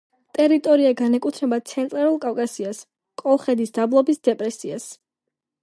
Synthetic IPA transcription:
t̪ʼɛɾit̪ʼɔɾiaɡanɛkʼut̪ʰɾɛbat̪sʰɛnt̪ʼɾaɾulˠkʼawkʼasias | kʼɔlˠχɛd̪isd̪̥ablˠɔbisd̪ɛpʼɾɛsias

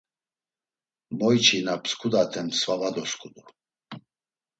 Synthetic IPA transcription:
mɔjt͡ʃʰinapʰskʰud̪at̪ʰɛmsvavad̪ɔskʰʼud̪u

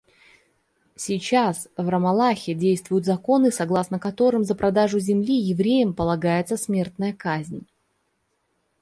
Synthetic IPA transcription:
sʲɪt͡ɕasvrəmɐlˠaxʲɪdʲejst̪vʊjʊt̪zɐko̞nɨsɐɡlˠasnəkɐt̪o̞ɾɨmzəpɾɐd̪aʐʊzʲɪmlʲijɪvɾʲejəmpəlˠɐɡajɪt̪səsmʲert̪nəjəkazʲnʲ

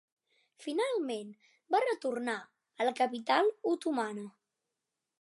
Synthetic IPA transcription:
finalˠmen | barət̪urna | ələkəpit̪alˠut̪umanə

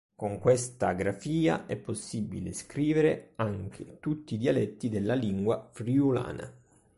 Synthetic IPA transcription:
koŋkwest̪aɡɾafiːa̰ʔɛpːosːibḭleskɾiːveɾeaŋk̟ʰet̪ut̪ːiːd̪ialɛt̪ːid̪elːaliŋɡwafɾiula̰ːna̰

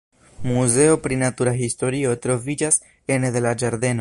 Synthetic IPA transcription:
muze̞o̞pɾinatuɾaɦisto̞ɾio̞t̪ɾo̞vid͡ʒas | e̞neðelad͡ʒaɾd̪e̞no̞

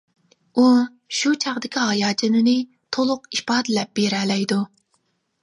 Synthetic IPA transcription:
u | ʃut͡ʃʰɑʁd̪ɪkʲʰiɦɑjɑːt͡ʃʰɪnɪnɪ | t̪ʰolˠʊqipɑːd̪ɪlɛp̚b̥eɾɛlɛjd̪u

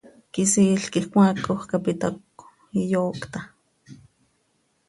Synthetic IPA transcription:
kisiːɬkihkʷakːohkapit̪ak | ijoːkt̪a

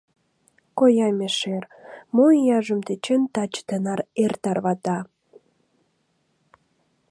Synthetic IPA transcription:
kojɑmʲeʃermoijɑʒəmt̪et͡ɕent̪ɑt͡ɕt̪ənɑrert̪ɑrβɑt̪ɑ

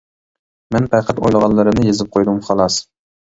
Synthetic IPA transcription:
mɛnpæqʰæt̪o̰jlˠɨʁɑnlːˠɨɾɨnɪjezɪp̚qʰojd̪umχɑlˠɑs

